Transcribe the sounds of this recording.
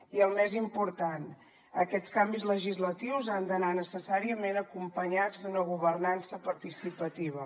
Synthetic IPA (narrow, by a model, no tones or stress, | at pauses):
iəlˠmɛzimpuɾt̪an | əkɛskambizləʒizlət̪iwzand̪ənanəsəsaɾiəmenəkumpəɲad͡zd̪unəɣ̞uβ̞ərnansəpəɾt̪isipət̪iβ̞ə